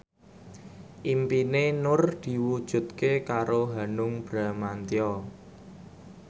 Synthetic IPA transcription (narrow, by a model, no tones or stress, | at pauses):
ʔimpinenʊrd̪̥i̤wud̥ʒ̥ṳt̪̚kekaɾoɦanʊŋb̥ɾa̤mant̪iɔ